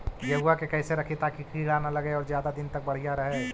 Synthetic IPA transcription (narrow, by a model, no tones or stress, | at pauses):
jɐɦʊakekɛːseɾɐkʰet̪aːkikɾiːɽanalɐɡeɔːɾzjaːd̪ad̪ɪnt̪ɐk̚bɐɽ̤ijaɾɐɦe